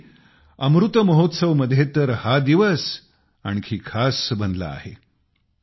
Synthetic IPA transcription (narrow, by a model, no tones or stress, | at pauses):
əmɾut̪əməɦot̪səʋməd̪ʱjet̪əɾhad̪iʋəs | aɽ̃ikʰiːkʰasbənd̪la̰a̰ɦe